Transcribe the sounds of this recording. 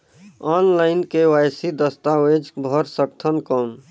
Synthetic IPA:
anlaɪnkewajsid̪əst̪awed͡ʒbʱəɾsəkt̪ʰənkɔm

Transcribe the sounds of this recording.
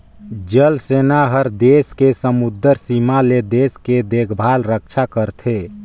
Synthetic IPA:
d͡ʒəlsenaɦəɾd̪eskesəmud̪əɾsimaled̪esked̪ekʰbʱalɾək̚t͡ʃʰakəɾt̪ʰe

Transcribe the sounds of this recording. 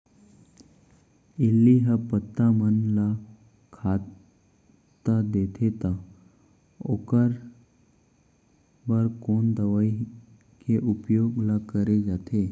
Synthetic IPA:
ilːiɦəpət̪ːamənla | kʰa | t̪ad̪et̪ʰet̪a | o̰kəɾ | bəɾkoːnd̪əʋai | keʔupjoːɡlakəɾed͡ʒat̪ʰe

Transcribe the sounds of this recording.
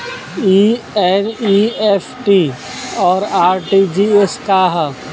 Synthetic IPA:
i | eniːepʰʈi | ɔːɾaːɾʈid͡ʒieskaɦa

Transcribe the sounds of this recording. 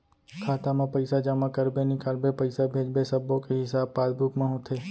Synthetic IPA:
kʰaːt̪amãpəɪsad͡ʒamãkəɾbenɪkaːlbepəɪsabʱeːd͡ʒbesəbːõkeɦɪsaːbpaːd̪bukmãɦõt̪ʰe

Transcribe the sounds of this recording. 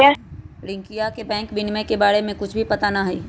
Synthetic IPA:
ɽɪ̃ŋkijakebɛ̃ːŋkbɪnmẽkebaːɾemẽkʊt͡ʃʰbʱipɐt̪anaɦiː

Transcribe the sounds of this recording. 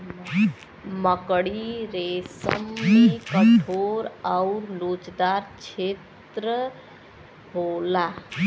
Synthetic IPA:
məkɽiɾesə̰mːekəʈʰoɾaʊɾlot͡ʃd̪aɾt͡ʃʰet̪ɾə | ɦola

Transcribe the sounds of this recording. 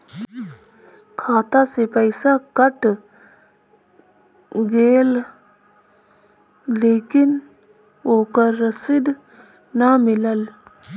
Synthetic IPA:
kʰaːt̪asepəɪsakəʈ | ɡeːl | leːkɪn | oːkəɾːəsɪd̪ | namɪləl

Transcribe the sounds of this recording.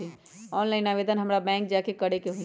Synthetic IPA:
i | ɔːnlaɪnaʋed̪ənɦəmɾabɛ̃ːŋk̚d͡ʒakekəɽekeɦũ

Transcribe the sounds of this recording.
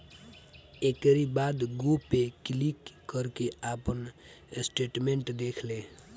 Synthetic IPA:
ekəɾibaːd̪ɡopːekɪlikːəɾkeaːpən | sʈeːʈmẽɳʈd̪eːkʰle

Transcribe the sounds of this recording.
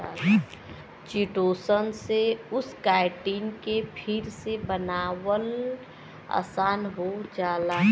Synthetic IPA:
a | t͡ʃiʈoːsənseʊskaɪʈiːnkepʰiɾsebənaːwəl | a̰ːsaːnɦod͡ʒaːla

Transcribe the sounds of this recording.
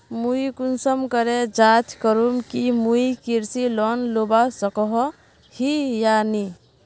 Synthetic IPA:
muikunsəmkəɾed͡ʒat̪ʰkəɾumkimuikiɾsilɔnlobasəkɔɦɔ | hijani

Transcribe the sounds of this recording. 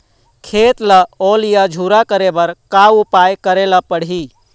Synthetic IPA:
kʰet̪ləolijəd͡ʒʱuɾakəɾebəɾkaupajkəɾeləpəɽɦi

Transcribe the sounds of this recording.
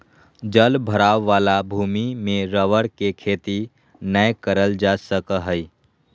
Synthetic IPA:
d͡ʒəlbʱəɾaːʋːaːlabʱuːmimẽɾəʋəɽkekʰeːt̪i | nəjkəɾəld͡ʒasəkəɦəi

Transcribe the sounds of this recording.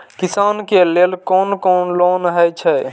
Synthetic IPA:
kisankelelkonkɔnlonɦət͡ʃʰɛ

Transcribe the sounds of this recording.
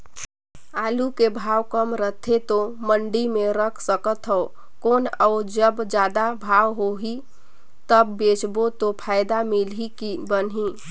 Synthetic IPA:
alukebʱawkəmɾət̪ʰet̪oməɳɖimeɾəkʰsəkət̪ɦəʊ | konəʊd͡ʒəbd͡ʒad̪abʱawɦoɦi | t̪əbːet͡ʃbot̪opʰajd̪amilɦikibənɦi

